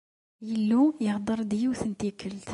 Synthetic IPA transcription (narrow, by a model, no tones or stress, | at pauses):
jəlːujəhd̪əɾˤd̪jəwθənt̪ikəlt̪